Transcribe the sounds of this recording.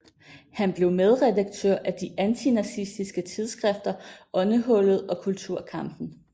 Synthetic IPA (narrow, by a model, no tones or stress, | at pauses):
hænb̥le̝ʊmeð̞ˠʁɛdaɡ̥̚t͡sʰøɐ̰ʔæd̥iʔænt͡sʰinæsisd̥isɡ̥ət͡sʰið̞ˠsɡ̥ʁɛfd̥ɐʔɒ̽nəɦɔ̽lð̞̩ˠɒ̽kʰult͡sʰuɐ̰kʰɑ̈m̰b̥n̩